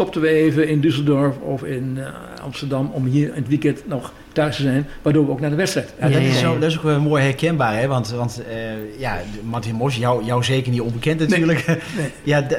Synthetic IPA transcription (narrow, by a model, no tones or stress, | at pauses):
tɔp̚tənʋəeːvəɪndysəlˠdɔɹfɔfɪn | ɑ̰mstəɹdɑmɔmɦiːɹnətʋikɛntnɔx | tœɥstəzɛjnʋaːɹdoːɹʋəowk̚naːdəʋɛtstrɛjtjadɔɪsodɔtɪs̬okʋɛlnmoːjhɛɹkɛnbaːɹɦɛʋɑntʋɑntəjamɑtɪnmɔs̬jawjɔwzeːkərnitɔnbəkɛntnattyːɹləkɛja